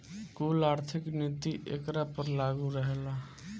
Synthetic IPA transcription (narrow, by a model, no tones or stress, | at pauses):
kulaːɾt̪ʰɪknɪt̪iʔḛkɾapəɾlaːɡuɾəɦela